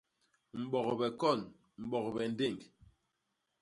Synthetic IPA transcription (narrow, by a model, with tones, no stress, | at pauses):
m̩˨ɓɔ˨kbɛ˨kɔ˦˨n | m̩˨ɓɔ˨kbɛ˨n˦de˦˨ŋk